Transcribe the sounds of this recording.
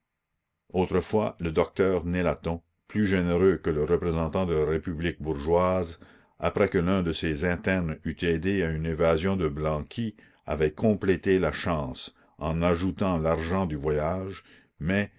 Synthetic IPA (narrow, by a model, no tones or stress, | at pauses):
oːt̪ʁəfwaləd̪ɔk̚t̪œːʁnelat̪ɔ̃ | plyʒeneʁøkələʁəpɾezɑ̃t̪ɑ̃d̪əlaʁepyblik̚buʁʒwaːz | a̰pɾɛkəlœ̃d̪əsezɛ̃t̪ɛʁnyt̪eːd̪eaynɛ̃vazjɔ̃d̪əblɑ̃kʲʰi | a̰vɛkɔ̃plɛt̪elaʃɑ̃ːs | ɑ̰̃naʒut̪ɑ̃laʁʒɑ̃d̪yvwajaːʒ | mɛ